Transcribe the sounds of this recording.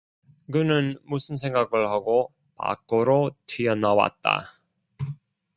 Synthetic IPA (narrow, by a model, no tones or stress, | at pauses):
kɯnɯnmusʰɯnsʰe̞ŋɡaɡɯɭhaɡo | pa̰k͈oɾotʰijʌnawa̰t̚t͈a̰